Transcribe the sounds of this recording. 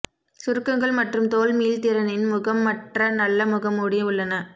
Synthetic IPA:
sʊɾɯkːɐŋɡɐɭmɐʈrɯmt̪oːlmiːlt̪ɪɾɐnɪnmʊɣɐmːɐʈrɐnɐlːɐmʊɣɐmːʊːɽɪjɐɯɭːɐnɐ

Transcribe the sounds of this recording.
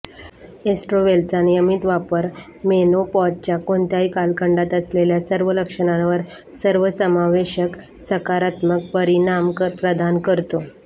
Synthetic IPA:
esʈɾoʋelt͡sanejəmit̪ʋapəɾ | menopɔt̪̚t͡ɕjakoɳt̪jaikalkəɳɖat̪əsleljasəɾʋələkʂəɳ̃ãʋəɾ | səɾʋəsəmaʋeɕək | səkaɾat̪mək̚pəɾinampɾəd̪ʱankəɾt̪o

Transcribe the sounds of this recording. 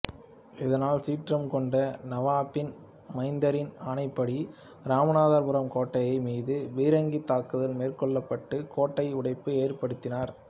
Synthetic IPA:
ɪðɐnaːlsiːʈrɐmkɔɳɖɐnɐʋaːpːɪn | mɐɪnd̪ɐɾɪnanɐɪpːɐɽi | ɾaːmɐnaːðaɾpɯɾɐmkoːʈːɐjɐɪmiːðɯʋiːɾɐŋɡit̪ːaːkːɯðɐlmeːrkɔɭːɐpːɐʈːɯkoːʈːɐɪʊɽɐɪpːɯeːrpɐɽɯt̪ːɪnaːɾ

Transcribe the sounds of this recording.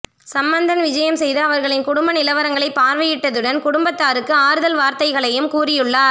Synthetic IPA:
sɐmbɐnd̪ɐnʋɪd͡ʒɐjɐmsɛjðɐːʋɐɾɣɐɭɪnkʊɽʊmbɐnɪlɐʋɐɾɐŋɡɐɭɐɪpːaːɾʋɪjɪʈːɐðɯɽɐnkʊɽʊmbɐt̪ːaːɾɯkːɯaːɾɯðɐlʋaːɾt̪ɐɪɣɐɭɐjɯmkuːrɪjɯɭːaːɾ

